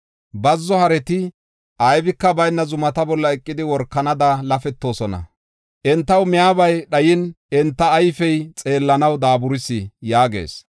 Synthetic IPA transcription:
bɐzːɔhɐɾɛt̪ɪ | ʔɐjbɪkːɐbɐjnːɐzʊmɐt̪ɐbɔlːɐɛkʼːɪd̪ɪwɔɾkːɐnɐd̪ɐlɐfɛt̪ːo̞ːsɔnɐ̰ | ʔɛnt̪ːɐwmɪjaːbɐjɗɐjɪnʔɛnt̪ːɐːjfɛjt͡sʼe̞ːlːɐnɐwd̪aːbʊɾɪsːɪjaːɡe̞̰ːs

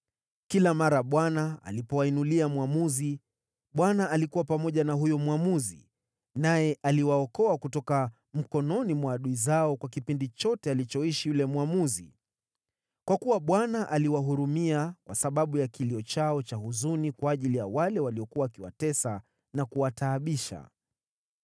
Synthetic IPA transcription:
kilamaɾaɓwanaa̰lipɔwainuliamwamuzi | ɓwanaʔalikuwapamɔʄanaɦujɔmwamuzḭ | najɛʔaliwaɔkɔakutɔka | m̩kɔnɔnimwaːɗuizaɔkwakipindit͡ʃɔtɛalit͡ʃɔiʃijulɛmwamuzḭ | kwakuwaɓwanaʔaliwaɦuɾumiakwʔasaɓaɓujakiliɔt͡ʃaɔt͡ʃaɦuzunikwaːʄilijawalɛwaliɔkuwaːkiwa̰tɛsa | nakuwataːɓiʃa̰

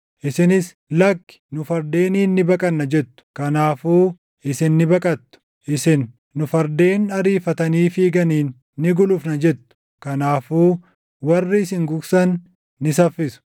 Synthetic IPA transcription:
ʔɪsɪnɪs | lɐkːɪ̥nʊfɐɾd̪e̞ːniːnːɪbɐkʼɐnːɐd͡ʒɛt̪ːʊ̥kɐnaːfuː | ʔɪsɪnːɪbɐkʼɐt̪ːʊ̥ | ʔɪsɪnː | ʊfɐɾd̪eːnɐɾiːfɐt̪ɐniːfiːɡɐniːnː | ɪɡʊlʊfnɐd͡ʒɛt̪ːʊ̥ | kɐnaːfuː | wɐrːɪɪsɪŋɡʊɡsɐnː | ɪsɐfːɪsʊ̥

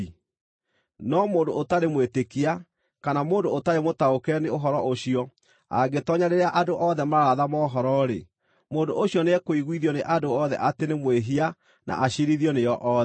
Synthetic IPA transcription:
nɔmoːndoːtaɾemwetekia | kanamoːndoːtaɾemotaokɛneoɦɔɾɔʔoɕiɔ | a̰ɡetɔɲaɾeɾeaʔadoʔɔðɛmaɾaðamɔɦɔɾɔɾe | moːndo̰ʔoɕjɔneɛkoiɣwiðjɔneʔadoɔðɛ̰ʔatenemweɦia | nʔa̰ʔaɕeɾiðjɔnejɔʔɔːðɛ

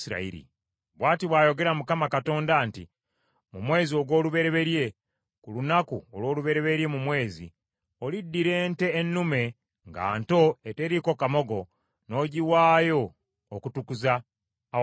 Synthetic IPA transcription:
iɾa̰ḭɾḭ | βwaːtiβwaːjo̞ɡe̞ɾamukamakato̞ːndaːntḭ | mumwe̞ːzioɡwo̞ːluβe̞ɾe̞βe̞ɾje̞ | kulunakuolwo̞ːluβe̞ɾe̞βe̞ɾje̞mumwe̞ːzḭ | olidːiɾe̞ːnte̞ːnːume̞ | ŋɡa̰ːnto̞ete̞ɾiko̞kamo̞ɡo̞ | no̞ːɟiwaːjo̞ː | kutukuzaː

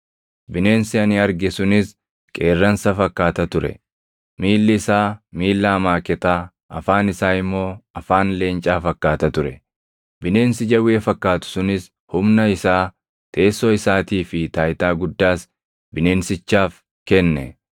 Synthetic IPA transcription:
bɪne̞ːnsɪɐnɪɐɾɡɛsʊnɪs | kʼe̞ːrːɐnsɐfɐkːaːt̪ɐt̪ʊɾɛ̰ | miːlːɪɪsaːmiːlːɐːmaːkɛt̪aː | ʔɐfaːnɪsaːɪmːo̞ːɐfaːnle̞ːnt͡ʃʼaːfɐkːaːt̪ɐt̪ʊɾɛ | bɪne̞ːnsɪd͡ʒɐweːfɐkːaːt̪ʊ̥sʊnɪs | hʊmnɐɪsaː | t̪ʰe̞ːsːoɪsaːt̪iːfɪt̪aːjt̪aːɡʊd̪ːaːs | bɪne̞ːnsɪt͡ʃːaːf | kɛnːɛ̰

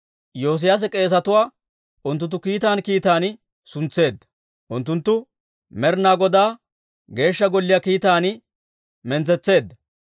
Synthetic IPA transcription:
jo̞ːs̬ɪjas̬ɛkʼe̞ːs̬ɐt̪ʊwaː | ʔʊnt̪̬ːʊnt̪ːʊkiːt̪aːnkiːt̪aːnɪ | sʊnt͡sːe̞ːd̪ːɐ̥ | ʔʊnt̪ːʊnt̪ːʊ | mɛɾnaːɡɔd̪aː | ɡe̞ːʃːɐɡɔlːɪjaːkiːt̪aːn | mɛnt͡sɛt͡sːe̞ːd̪ːɐ

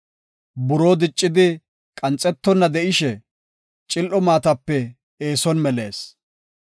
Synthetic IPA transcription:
bʊɾoːd̪ɪt͡ʃʼːɪd̪ɪ | kʼɐnt͡sʼːɛt̪ːɔnːɐd̪ɛʔɪʃɛ | t͡ʃʼɪlʔɔmaːt̪ɐpːɛ | eːsɔnmɛleːs

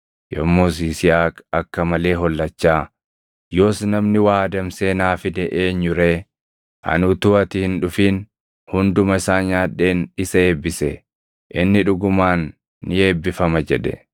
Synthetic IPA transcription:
jɔ̰mːoːs̬iːsɪjaːkɐkːɐmɐle̞ːɦɔlːɐt͡ʃːaː | jo̞ːsnɐmnɪwaːd̪ɐmse̞ːnaːfɪd̪ɛʔeːɲːʊɾeː | ʔɐ̰nʊt̪ʊɐt̪ɪhɪnᶑʊfiːn | hʊnd̪ʊmɐɪsaːɲaːᶑːe̞ːnɪsɐeːbːɪsɛ | ʔɪnːɪᶑʊɡʊmaːnː | ɪeːbːɪfɐmɐd͡ʒɛᶑɛ̰

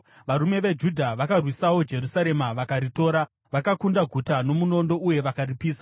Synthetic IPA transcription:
ʋaɾume̞ʋe̞d͡ʒudʱaʋakarwisawo̞d͡ʒe̞ɾusaɾe̞maʋakaɾito̞ːɾa | ʋakakundaɡʱutano̞muno̞ndo̞uje̞ʋakaripiːsḁ

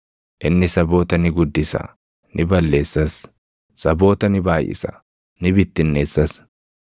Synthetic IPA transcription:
ʔɪnːɪsɐbo̞ːt̪ɐnɪɡʊd̪ːɪsɐ̰ | nʔɪbɐlːe̞ːsːɐs | sɐbo̞ːt̪ɐnɪbaːjʔɪ̰sɐ̥̰ | nɪbɪt̪ːɪnːe̞ːsːɐs

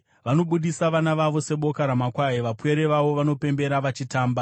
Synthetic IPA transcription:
ʋano̞ɓuɗisaʋanaʋaʋo̞se̞ɓo̞kaɾamakwajiʋapwe̞ɾeʋaʋo̞ʋano̞pe̞mbe̞ɾaʋat͡ʃitaːmba

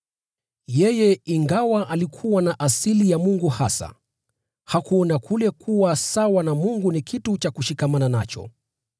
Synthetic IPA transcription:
jɛjɛiŋɡawaʔalikʰuwanaʔasilijamuŋɡuhasa̰ | hakuɔnakʰulɛkʰuwasawanamuŋɡunikʰitut͡ʃakuʃikamananat͡ʃɔ̰

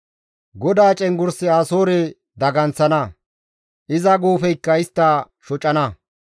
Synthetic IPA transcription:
ɡɔd̪aːt͡ʃʼɛŋɡʊɾsɪaːsoːɾɛ | d̪ɐɡɐnt͡sːɐnɐ | ʔɪzɐɡoːfɛjkːɐɪst̪ːɐ | ʃɔt͡ʃʼːɐnɐ

